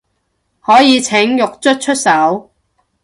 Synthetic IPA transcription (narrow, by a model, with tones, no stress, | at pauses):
hɔː˨˥jiː˨˧t͡sʰɪ˨˥ŋjʊ˨k̚t͡ʃɵ˥t̚t͡ʃʰɵ˥t̚sɐ˨˥w